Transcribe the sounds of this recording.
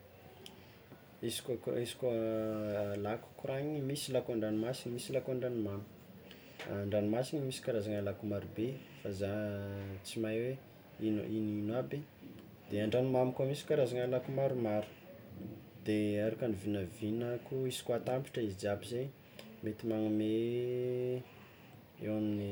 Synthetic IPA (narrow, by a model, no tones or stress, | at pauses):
isi̥kkisi̥ka | laku̥kuɾaɲimisilakaɳɖ͡ʐanimasinimisilakaɳɖ͡ʐanmamiu | ɳɖ͡ʐanimasinimisi̥kaɾazaŋalakumaɾube | faza | t͡simajwe | in̰ininabi | d̪̥eaɳɖ͡ʐanimamikamisi̥kaɾazaŋalakumaɾumaɾu̥ | d̪̥eaɾakanivinəvinəkuizi̥kat̪ampi̥ʈ͡ʂəizid͡ʒabizaj | met̪imaŋume | ḛwamini